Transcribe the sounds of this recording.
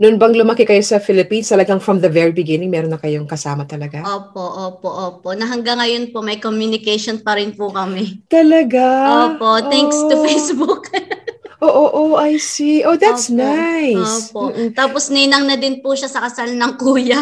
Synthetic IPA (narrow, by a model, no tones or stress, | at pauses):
nʊʔʊnbɐŋlʊmɐkɪkɐjo̞sɐfɪlɪpinst̪ɐlɐɡɐŋfɹɔmðɐvɛɹibɪɡɪnɪŋmɛːɾonːɐkɐjoŋkɐsaːmɐt̪ɐlɐɡaʔoːp̚oʔoːpoʔoːpoʔnɐɦɐŋɡɐŋːɐjonpo̞mɐjkomjunɪkɛjʃonpɐɾɪnpʊkɐmɛt̪ɐlɐɡaoːpot̪ɛŋkst̪ʊfejsbuk | ʔoːʔʔoʔɐjsiʔoðæt̪snajosːpoʔ̩t̪aːposnɐjnɐŋnɐd̪ɪnpuʃasɐkɐsalnɐŋkuːjɐ